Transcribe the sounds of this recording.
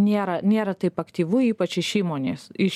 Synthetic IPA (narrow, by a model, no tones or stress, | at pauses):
nʲeːɾɐnʲeːɾɐt̪ɐɪpɐkt̪ʲiːʋʊiːpɐt͡ʃɪʃiːmoːnʲeːsɪʃ